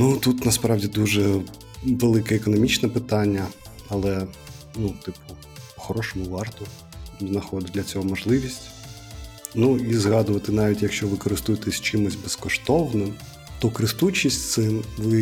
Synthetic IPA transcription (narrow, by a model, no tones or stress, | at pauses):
nut̪ut̪nɐspɾɑwdʲid̪uʒɛ | ʋelˠɪkɛːkɔnɔmʲit͡ʃnɛpɪt̪ɑnʲːɐ | ɐlˠɛ | nut̪ɪpʊ | pɔxɔɾɔʃɔmʊʋɑrt̪ʊ | znɐxɔd̪ɪd̪lʲɐt͡sʲɔɦɔmɔʒlˠɪʋʲisʲtʲ | nuizɣɑd̪ʊʋɐt̪ɪnɑʋʲitʲjɐkʃt͡ʃɔʋɪkɔɾɪst̪ujet̪ɛsʲt͡ʃɪmʊsʲbɛskɔʃt̪ɔwnɪm | t̪ɔkɾɪst̪ut͡ʃʲisʲt̪sɪʋɪ